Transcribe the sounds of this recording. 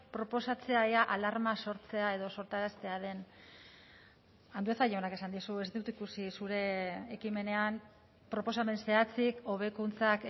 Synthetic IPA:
pɾo̞po̞sat͡se̞aeaʔalaɾmaso̞ɾt͡se̞ae̞ðo̞so̞ɾt̪aɾast̪e̞aðe̞n | and̪ueθaʎeonake̞sand̪isue̞zd̪ut̪ikusisuɾe̞ːkime̞ne̞am | pɾo̞po̞same̞nse̞at͡siko̞β̞e̞kunt͡sak

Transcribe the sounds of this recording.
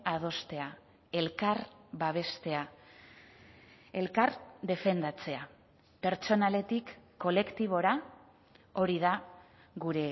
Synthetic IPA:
að̞o̞st̪e̞a | e̞lkaɾbaβ̞e̞st̪e̞a | e̞lkaɾd̪e̞fe̞nd̪at͡se̞a | pe̞ɾt͡ʃo̞nale̞t̪ikː | o̞le̞kt̪iβ̞o̞ɾa | o̞ɾið̞a | ɣuɾe̞

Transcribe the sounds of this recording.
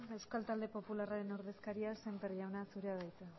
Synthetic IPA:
e̞wskalt̪ald̪e̞po̞pularaɾe̞noɾðe̞skaɾiase̞mperʝawnasuɾeað̞ajt͡se

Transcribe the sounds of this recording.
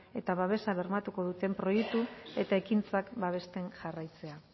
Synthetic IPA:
e̞t̪aβaβe̞saβ̞e̞ɾmat̪uko̞ð̞ut̪e̞mpɾo̞jek̚t̪ue̞t̪ae̞kint͡sakbaβ̞e̞st̪e̞ŋʝarajt͡se̞a

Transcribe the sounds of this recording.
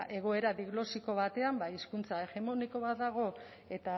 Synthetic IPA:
ʔe̞ɣo̞e̞ɾaðiɣno̞siko̞β̞at̪e̞ambaiskunt͡sae̞ɣe̞mo̞niko̞βat̪ðaɣ̞o̞ | e̞t̪a

